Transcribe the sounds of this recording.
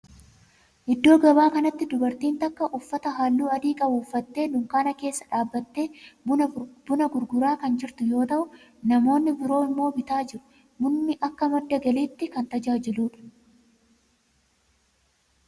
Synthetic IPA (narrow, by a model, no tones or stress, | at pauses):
ʔɪd̪ːo̞ːɡɐbaːkɐnɐt̪ːɪd̪ʊbɐɾt̪iːnt̪ɐkːɐʔʊfːɐt̪ɐɦaːlːuːɐd̪iːkʼɐbʊːfːɐt̪ːe̞ːnʊŋkaːnɐke̞ːsːɐ̥ᶑaːbːɐt̪ːe̞ː | bʊnɐɡʊɾɡʊɾaːkɐnd͡ʒɪɾt̪ʊjo̞ːt̪ɐʔʊ | nɐmo̞ːnːɪbɪɾo̞ːɪmːo̞ːbɪt̪aːd͡ʒɪɾʊ̥ | mʊnːɪʔɐkːɐmɐd̪ːɐɡɐliːt̪ːɪkɐnt̪ɐd͡ʒaːd͡ʒɪluːᶑɐ̥